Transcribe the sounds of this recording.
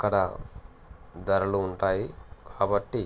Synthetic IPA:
kːɐɽɐ̰ | d̪ɐɾɐluːɳʈaːjikʰaːbɐʈːi

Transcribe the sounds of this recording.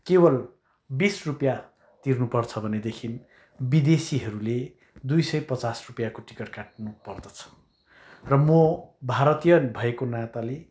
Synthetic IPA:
kebʌl | bisrupja | t̪irnupʌrt͡sʰʌbʱʌned̪ekʰin | bid̪esiɦʌɾule | d̪ujsʌjpʌt͡sasrupjakoʈi̥kʌrkaʈ̚nupʌrd̪ʌt͡sʰʌ̥ | rʌmobʱaɾʌt̪ijʌbʱʌekonat̪ale

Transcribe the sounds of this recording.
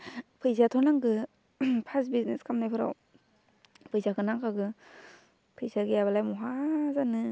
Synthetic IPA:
pʰɯjzatʰɔɾnaŋɡɯ | pʰasbizneskʰamnajpʰɯɾa̰w | pʰɯjzakʰɯnaŋkʰaɡɯ | pʰɯjzaɡijaβalajmɔɦazanɯ

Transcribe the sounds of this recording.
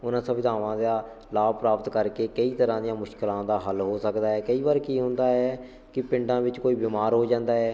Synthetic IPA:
ʊnãːsəbɪd̪ʱaːʋãːd̪aː | laːbpɾaːpət̪kəɾkeːkəiːt̪əɾãːd̪ɪjãːmʊʃkɪlãːd̪aːɦəlɦoːsəkd̪aːɦɛːkəiːbaːɾkiːɦʊ̃nd̪aːɦɛː | kɪpɪ̃ɳɖãːʋɪt͡ʃkoːiːbɪmaːɾɦoːd͡ʒãːnd̪aːɦɛː

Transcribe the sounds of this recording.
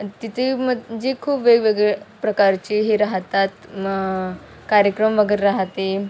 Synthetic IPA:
t̪it̪ʰeməd͡ʑekʰuːpʋeɡʋeɡɭepɾəkaɾt͡ɕiːɦiːɾaɦt̪at̪ | kaɾjəkɾəmʋəɡeɾːaɦt̪e

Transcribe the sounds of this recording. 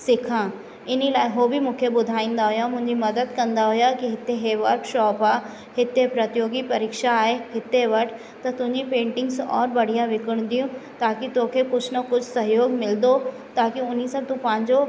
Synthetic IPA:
sɪkʰãː | ɪnilaːɪɦoːbʱimũːkʰebʊd̪ʱaːĩːn̆d̪aɦʊjamʊ̃ɦɪ̃ɲd͡ʑimɐd̪əd̪kɐ̃nd̪aɦʊjakiɦɪt̪eɦeʋɐɾkʃɔːpaː | hɪt̪epɾɐt̪joːɡipɐɾiːkʃaːɦeɦɪt̪eʋɐʈʰ | t̪ɐt̪ʊ̃ɦɪ̃ɲd͡ʑipẽːɳʈɪ̃ŋɡsɔ̰ːɾbɐɽ̤ijãʋɪkəɽ̃d̪ijũt̪aːkit̪oːkʰekʊd͡ʑʰnɐkʊd͡ʑʰʱsɐɦjoːɡmɪld̪o | t̪aːkiʊnisãt̪ũpɐ̃ɦɪ̃ɲd͡ʑo

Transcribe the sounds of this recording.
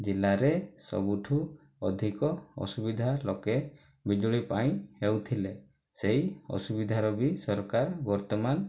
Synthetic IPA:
d͡ʒilaɾesɔ̰buʈʰu | ɔd̪ʱikɔɔ̰subid̪ʱalɔke | bid͡ʒuɭipaj̃hewt̪ʰile | sejɔ̰subid̪ʱaɾɔbisɔɾkaɾbɔɾt̪ɔman

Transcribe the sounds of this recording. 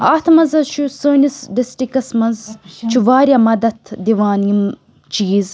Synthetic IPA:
aːt̪ʰmɐzɐt͡ʃʰusoːnisɖisʈikɐsmɐnzt͡ʃʰuʋaːɾjɐmɐd̪ɐt̪ʰd̪iʋaːnjim | t͡ʃiːz

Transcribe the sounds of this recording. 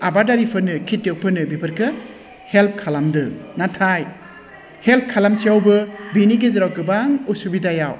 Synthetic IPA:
abadaɾipʰɯnɯkʰitːewpʰɯnɯbipʰɯɾkʰɯ | help̚ʰkʰalamdɯnatʰaj | help̚kʰalamsijawbɯbiniɡezɯɾawkɯbaŋusubidajaw

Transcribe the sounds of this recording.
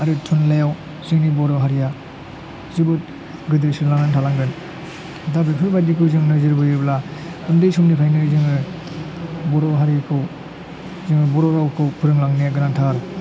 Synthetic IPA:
aɾɯtʰunlajaw | zɯŋnibɔɾɔɦaɾija | zɯbɯt̚ | ɡɯdɯsɯlaŋantʰalaŋɡɯn | dabepʰɯɾbadikʰɯzɯŋnɯzɯɾbɯjɯbla | kʰundɯjsumnipʰajnɯzɯŋɯ | bɔɾɔɦaɾijakʰɯw | zɯŋɯbɔɾɔɾawkʰɯwpʰɯɾɯŋlaŋnijaɡɯnantʰaɾ

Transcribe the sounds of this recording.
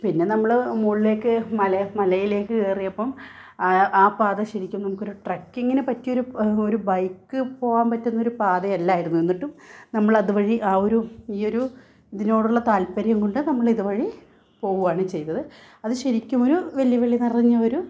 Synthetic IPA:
pinːe̞nɐmːɐɭmuːɭile̞ːkːɨmɐlɐmɐlɐjile̞ːkːɨkeːrijɐpːɐm | aːpaːðɐɕɐɾikʲːumnɐmukːo̞ɾuʈrɐkːeŋːɐnepɐtːijo̞ɾuoɾubɐjkːɨpo̞ːʋaːnpɐtːunːɐo̞ɾupaːðɐɐlːaːjiɾunːue̞nːiʈːumnɐmːɐɭɐðɨʋɐɻiʔaːo̞ɾuiːo̞ɾu | iðino̞ːɽuɭːɐt̪aːlpɐɾjɐŋkoɳɖɨnɐmːɐɭiðuʋɐɻi | po̞ːɣuʋaːɳɨt͡ɕe̞jt̪ːɐðɨ | ɐðɨɕɐɾikʲːumo̞ɾuʋe̞ljɐʋeɭːinirɐɲːɐoɾu

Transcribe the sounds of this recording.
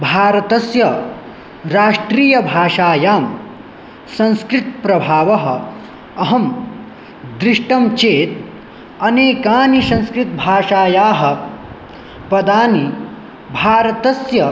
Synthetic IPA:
bʱaːɾɐt̪ɐsjɐ | ɾaːʂʈɾiːjɐbʱaːʂaːjaːm | sɐ̃nskɾit̪̚pɾɐbʱaːʋɐɦɐ̰ | ɐɦɐm | d̪ɾiʂʈɐmt͡ʃeːt̪ | ɐneːkaːnisɐ̃ñskɾit̪̚bʱaːʂaːjaːɦɐ̆ | pɐd̪aːni | bʱaːɾɐt̪ɐsjɐ

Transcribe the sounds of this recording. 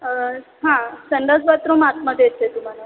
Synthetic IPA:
ɦãsəɳɖ̪əsʋat̪ɾomat̪məkjet̪et̪um̤ala

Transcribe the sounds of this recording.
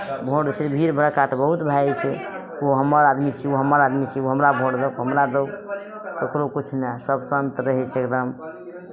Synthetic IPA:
bʱoɽt͡ʃʰɛbʱiɾbʱəɽkatbəɦut̪bʱat͡ʃʰɛ | oɦəməɾad̪mit͡ʃʰioɦəməɾad̪mit͡ʃʰioɦəmɾabʱoɽd̪əkɦəmɾad̪ək | k̪okɾokut͡ʃʰnesəbsənt̪ɾəɦɛt͡ʃʰekd̪əm

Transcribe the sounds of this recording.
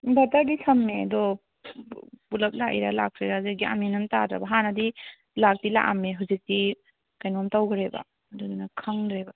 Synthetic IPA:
bɐtadisʰɐmːedɔ | pulɐp̚laʔḭɾalak̚ʰɾiɾazik̚ɡia̰minumtadɾa̰baɦanɐdi | lak̚tila̰ʔameɦuzik̚ti | kajnɔmtawɡɾeba̰ | dɔdunakʰaŋdɾeba

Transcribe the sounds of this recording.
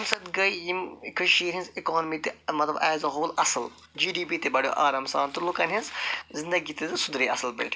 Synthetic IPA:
msɐt̪ɡɐjjimkʰɐʃiːɾɦĩnzikɔːnmit̪imɐt̪lɐbɛːzɐɦoːlɐsɨl | d͡ʒiːɖiːpiːt̪ebɐɽjo̰ʔaːɾɐmsaːnt̪ulukɐnɦinzzind̪ɐɡit̪izɨsʊd̪ɾiɐslbɐ̰lʈ

